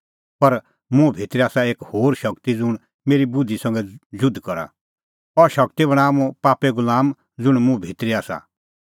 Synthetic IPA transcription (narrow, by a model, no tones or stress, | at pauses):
pɐɾ | mũbʱiːt̪ɾiaːsaeːkhoːɾʃɐkt̪id͡zʊɽ̃ | meːɾibʊd̪ʱːisɐ̃ŋɡɛd͡ʒʊd̪ʱkɔɾa̰ | ɔʃɐkt̪ibɐɽ̃aːmũpaːpɛɡʊlaːm | d͡zʊɽ̃mũbʱiːt̪ɾiaːsa̰